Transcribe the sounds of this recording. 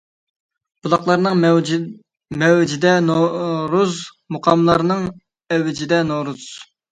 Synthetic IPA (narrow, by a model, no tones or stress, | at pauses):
b̥ulˠɑχlˠɑɾnɨŋ | mɛwd͡ʒɪd̪ɛɾuz | muqʰɑmlˠɑɾnɨŋ | ɛwɪd͡ʒid̪ɛnoɾuz̥